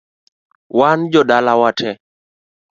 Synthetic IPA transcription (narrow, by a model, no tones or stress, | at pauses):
wand͡ʒɔdalawatʰɛ